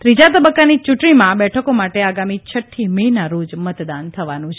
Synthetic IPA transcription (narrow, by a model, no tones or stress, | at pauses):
t̪ɾid͡ʒat̪əbəkːanit͡ʃuʈɳimãbɛʈʰəkomaʈeaɡamit͡ʃʰəʈʰːiməɦinaɾod͡ʒmət̪d̪ant̪ʰəʋanũt͡ʃʰe